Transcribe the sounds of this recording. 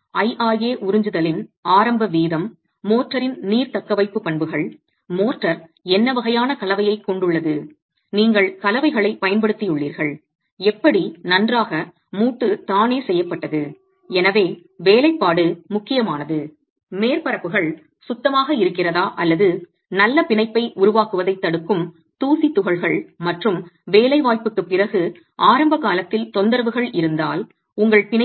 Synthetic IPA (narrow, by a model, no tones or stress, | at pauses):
ɐjʔaːjeːʔʊɾɯɲd͡ʒɯðɐlɪnaːɾɐmbɐʋiːðɐmː | oːʈrɐɾɪnniːɾt̪ɐkːɐʋɐɪpːɯpɐɳbɯɣɐɭ | moːʈrɐɾɛnːɐʋɐɣɐjaːnɐkɐlɐʋɐjɐɪkːɔɳɖɯɭːɐðɯ | niːŋɡɐɭkɐlɐʋɐɪɣɐɭɐɪpɐjɐnpɐɽɯt̪ːijɯɭːiːɾɣɐɭ | ɛpːɐɽinɐndraːɣɐ | muːʈːɯt̪aːneːsɛjːɐpːɐʈːɐðɯ | ɛnɐʋeː | ʋeːlɐɪpːaːɽɯmʊkːɪjɐmaːnɐðɯ | meːɾpɐɾɐpːɯɣɐɭ | sʊt̪ːɐmaːɣɐɪɾɯkːɪrɐðaːʔɐlːɐðɯ | nɐlːɐpɪɳɐɪpːɐɪʔʊɾʊʋaːkɯʋɐðɐɪt̪ːɐɽɯkːɯm | t̪uːsit̪ːʊɣɐɭɣɐɭmɐʈrɯmʋeːlɐɪʋaːjpɯkːɯpːɪrɐɣɯ | ʔaːɾɐmbɐkaːlɐt̪ːɪlt̪ɔnd̪ɐɾɐʋɯɣɐɭɪɾɯnd̪aːl | ʊŋɡɐɭpɪn